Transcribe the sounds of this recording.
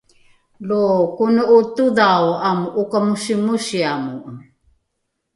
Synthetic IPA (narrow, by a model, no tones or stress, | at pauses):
lokunuutudawamukamusimusiamu